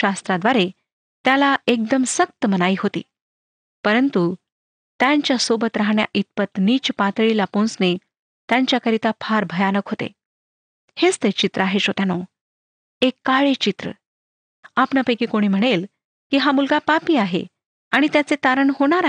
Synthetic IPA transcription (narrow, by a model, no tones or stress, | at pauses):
ast̪ɾad̪ʋaɾe | t̪jalaek̚d̪əmsək̚t̪əmənaiːɦot̪ḭː | pəɾənt̪u | t̪jaɲt͡ɕjasobʱət̪ɾaɦɳja̰ʔit̪̚pət̪niːt͡ɕpat̪ɭilapõnsne | t̪jaɲt͡ɕjakəɾit̪apʰaɾbʱəjanəkɦot̪ḛ | het͡st̪et͡ɕit̪ɾəaɦeɕot̪jano | ekːaɭet͡ɕit̪ɾə̰ | apɳjapəjkiːkoɽ̃iːm̤əɽ̃el | kiːɦamulɡapapiːaɦḛ | aɽ̃it̪jat͡set̪aɾəɳɦoɽ̃aɾ